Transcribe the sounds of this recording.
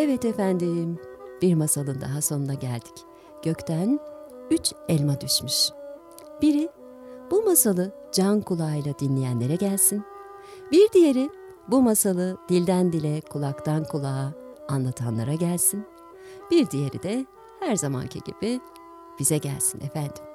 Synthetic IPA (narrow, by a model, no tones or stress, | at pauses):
ɛvɛt̪efænd̪imb̥iɾmasalˠɯnd̪a̰ɦaso̞nunaɟæ̰lʲd̪̥i̥c | ɟ̥ø̞ct̪ʰænyt͡ʃɛlʲmad̪yʃmyʃ | b̥iɾi | b̥umasalˠɯ | d͡ʒankʰulˠajlˠad̪inlʲijænlʲe̞ɾɛɟælʲsin | biɾd̪ije̞ɾɪ | bumasalˠɯd̪̥ilʲd̪ænd̪ilʲɛkʰulˠakt̪ʰankʰulˠaanlˠat̪ʰanlˠa̰ɾaɟælʲsin | b̥iɾd̪ije̞ɾḭd̪ɛ | hæɾzama̰ncʰḭɟḭb̥i | b̥izɛɟæ̰lʲsinʔɛfænd̪im